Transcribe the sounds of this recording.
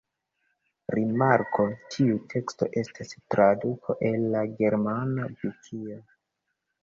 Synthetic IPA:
ɾimaɾko̞tʰiutʰe̞ksto̞̰ʔe̞stastɾadukʰoʔe̞lːaɡe̞ɾmanabikʰio

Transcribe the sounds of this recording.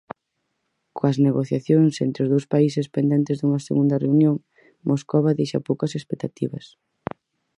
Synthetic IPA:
koɐzneɣoθjaθjoŋsḛnt̪ɾeʊzðowspaisɪspend̪ɛnt̪ezðuŋɐseɣund̪ɐreunjoŋ | mʔoskoβaðejʃɐpowkɐsespek̚t̪at̪iβɐs

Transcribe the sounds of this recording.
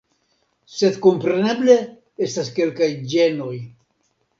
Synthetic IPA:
se̞d̪ko̞mpɾe̞ne̞ble̞ | estaske̞lkajd͡ʒe̞no̞j

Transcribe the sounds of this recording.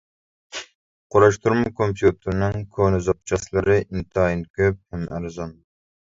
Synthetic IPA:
qʰoɾɑʃt̪ʰuɾmʊkʰompʰjut̪ʰɨɾnɪŋkʰonɨzɑp̚t͡ʃʰɑslˠɨɾɨʔint̪ʰɑinkʲʰøp̚hɛmæɾzɑn

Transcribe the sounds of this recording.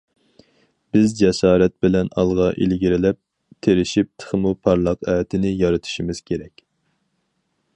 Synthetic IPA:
b̥ɪzd͡ʒɛsɑːɾɛt̪̚bɪlɛnɑlˠʁɑʔḭlɡʲiɾɪlɛp̚ | t̪ʰeɾɪʃip̚t̪ʰə̥χmupʰɑɾlˠɑqæːt̪ʰɪnɪjɑɾɨt̪ʰu̥ʃimɪz̥kʲʰeɾɛkʲ

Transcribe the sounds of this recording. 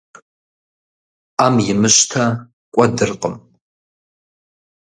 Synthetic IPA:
amjɪmɨʃtʰa | kʷʼɐdɨrqʼəm

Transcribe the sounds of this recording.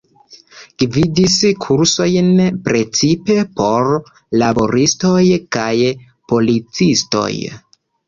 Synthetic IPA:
ɡ̥vidiskʰuɾso̞jnpɾe̞t͡sipe̞po̞ɾ | labo̞ɾisto̞jkaj | po̞lit͡sisto̞̰j

